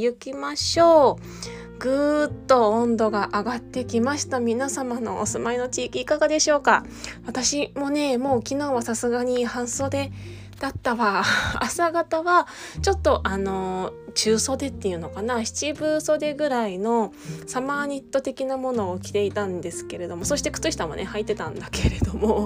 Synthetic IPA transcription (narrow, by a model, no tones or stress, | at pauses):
jɯ̟kʲimaɕo̞ː | ɡɯt̪ːo̞õnd̪o̞ɡaʔaɡat̪ːe̞kʲimaɕi̥t̪amʲinasamano̞̰ʔosɨmaino̞t͡ɕiːkʲiːkaɡad̪e̞ɕo̞ːka̰ | βat̪aɕimo̞ne̞mo̞ːkʲinoːβasasɨɡaɲ̟ihãɰ̃so̞ːd̪e̞ | d̪̥at̪ːaβaasaɡat̪aβa | t͡ɕo̞t̪ːo̞ʔano̞t͡ɕɨːso̞d̪e̞t̪ːe̞jɯ̟no̞kanaçi̥t͡ɕibɯ̟ːso̞d̪e̞ɡɯ̟ɾaino̞ | samaːɲ̟ʲit̪ːo̞t̪e̞kʲinamo̞no̞ːkʲi̥t̪e̞it̪ãnd̪e̞sɨ̥ke̞ɾe̞d̪o̞mo̞so̞ɕi̥t̪e̞kɯ̥t͡sɨɕi̥t̪amo̞̰nʔe̞hait̪ːe̞t̪ã̰nd̪ake̞ɾe̞d̪o̞mo